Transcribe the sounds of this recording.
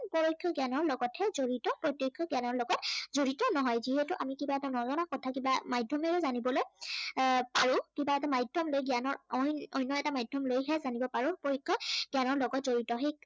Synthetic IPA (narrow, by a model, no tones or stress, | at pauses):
pɔɹɔjkʰːɔɡjanɔɹlɔɡɔtʰhɛzoɹitɔpɹɔtjɔkʰːɔɡianɔɹlɔɡɔtzoɹitɔnɔɦɔjziɦɛtʊʔamikibaɛtanɔzɔnakɔtʰakibamajdʱɔmɛɹuzanibɔloj | paɹʊ̃kibaɛtamajdʱɔmlojɡijanɔɹɔjnɔjnːɔɛtamajdʱɔmlojɦɛazanibɔpaɹʊ̃pɔɹɔkʰːɔɡ̥janɔɹlɔɡɔtzoɹitɔɦek̚